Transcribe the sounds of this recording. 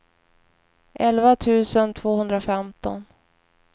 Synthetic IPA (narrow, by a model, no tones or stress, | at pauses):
ʔɛlvat̪ʰʉ̟ːsənt̪ʰv̥oːhɵnd̪ɾafɛmt̪ɔ̰n